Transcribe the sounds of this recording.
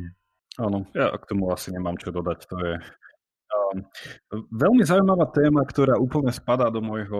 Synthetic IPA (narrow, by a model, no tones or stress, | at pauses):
anɔja̰kt̪ɔmuasiɲɛmaːmt͡ʃɔd̪ɔd̪act̪ɔjɛ | ʋɛlmizaujmaʋaːt̪ɛːmakt̪ɔɾaːuːpl̩ɲɛspad̪aːd̪ɔmɔjɦɔ